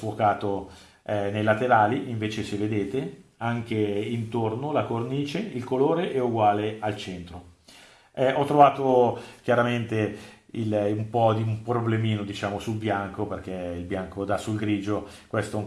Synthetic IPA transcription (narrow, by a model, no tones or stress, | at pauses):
fwokaːt̪o | ɛnejlat̪eɾaːliʔiɱveːt͡ʃeseved̪eːt̪eaŋk̟eint̪ornolakorniːt͡ʃeilkoloːɾeʔɛuɡwaːlealt͡ʃɛnt̪ɾo | ɛɔt̪ːɾovaːt̪ok̟jaɾament̪e | ilumpɔd̪iumpɾoblemiːnod̪it͡ʃaːmosulbjaŋkoperk̟ɛilbjaŋkod̪asulɡɾiːd͡ʒo | kwɛst̪o